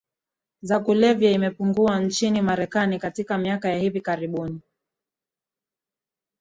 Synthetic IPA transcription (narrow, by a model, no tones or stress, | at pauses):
zakulɛvjaimɛpuŋɡuant͡ʃinimaɾɛkanikatikamiakajahivikaɾiɓuni